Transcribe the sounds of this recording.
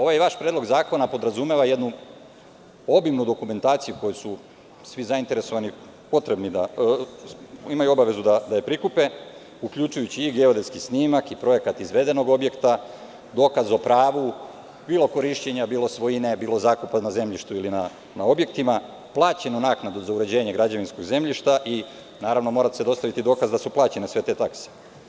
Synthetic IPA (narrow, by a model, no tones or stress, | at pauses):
o̞ʋajeʋaʃpɾed̪lo̞ɡzaːko̞napo̞d̪ɾazume̞ʋaje̞d̪nu | o̞bimnud̪o̞kume̞nt̪aːt̪sijuko̞jusu | sʋizaint̪e̞ɾe̞so̞ʋani | po̞t̪ɾe̞bnid̪a | imajuo̞baʋe̞zud̪ad̪aepɾikupe̞ | ukʎut͡ʃujut͡ɕiːɡeod̪e̞skisniːmakipɾo̞je̞kat̪izʋe̞d̪e̞no̞ɡo̞bje̞kt̪a | d̪o̞ːkazo̞pɾaːʋu | biːlˠo̞ko̞ɾiʃt͡ɕeɲabiːlo̞sʋo̞jine̞biːlo̞zaːkupanaze̞mʎiʃt̪uilina | nao̞bje̞kt̪ima | plˠaːt͡ɕenunaːknad̪uzauɾe̞d͡ʑe̞ːɲe̞ɡɾad͡ʑaʋinsko̞ɡze̞mʎiʃt̪aʔi | naːɾaʋno̞mo̞ːɾat̪sed̪o̞st̪aʋit̪id̪o̞kazd̪asuplˠaːt͡ɕe̞nesʋe̞t̪e̞t̪akse̥